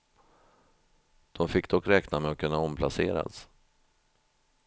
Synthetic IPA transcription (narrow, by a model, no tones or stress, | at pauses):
d̪̥ɔmfɪkːd̪ɔkːɾɛːknamɛɔkʰːɵnːaɔmpʰlaseːɾa̰s